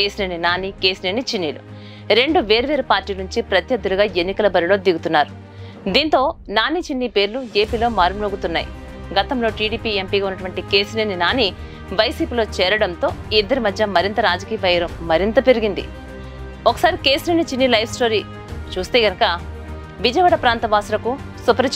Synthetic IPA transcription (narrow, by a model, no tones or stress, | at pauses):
keːsneːninaːniːke̞ːsneːnit͡ʃinːiːlṵ | ɾe̞ɳɖuʋe̞ːɾuʋeːɾupaːɾʈːiːlɐnuɲt͡ʃipɾɐt̪jɐd̪ːuluɡaːe̞nːikɐlɐbɐɾilo̞ːd̪iɡut̪unːaːɾu | d̪iːnt̪o̞ːnaːniːt͡ʃinːiːpe̞ːɾlue̞ːpiːlo̞ːmaːɾumloːɡut̪unːa̰ːjḭ | ɡɐt̪ɐmlo̞ːʈiːɽiːpiːe̞mpiːɡaːunːɐʈuʋɐɳʈike̞ːsineːninaːni | ʋɐjsiːpiːlo̞ːt͡ʃɛːɾɐɽɐnt̪o̞ːid̪ːɐɾimɐd̪ʱjɐmɐɾint̪ɐɾaːd͡ʒɐkiːjɐʋɐjɐɾɐmːɐɾint̪ɐpeɾiɡind̪ḭ | ɔkɐ̥saːɾike̞ːsleːnit͡ʃinːilɐjʋsʈo̞ːɾi | t͡ʃuːst̪e̞ːɡɐnɐkɐ | ʋid͡ʒɐjʋɐːɽɐpɾaːnt̪ɐbaːsulɐku | supɐɾɐ